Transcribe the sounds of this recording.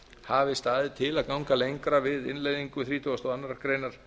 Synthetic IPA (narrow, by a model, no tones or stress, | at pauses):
haːvɪst̪aːðɪt̪ʰɪlaðkawŋkalejŋkɾavɪðɪ̰nlejðiŋkʏθɾiːt̪ʰɔast̪ɔanːaɾakɾejnaɾ̥